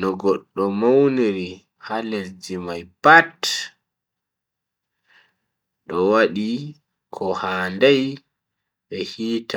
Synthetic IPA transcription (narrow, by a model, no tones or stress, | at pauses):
nɔɡɔɗːɔmowniɾi | halɛɾd͡ʒimajpat | ɗɔwaɗi | kʰɔhaːndaj | ɓɛhiːta